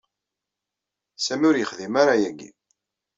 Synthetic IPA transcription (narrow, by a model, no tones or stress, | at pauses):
sæmʊɾjəχðimaɾajæɡḭ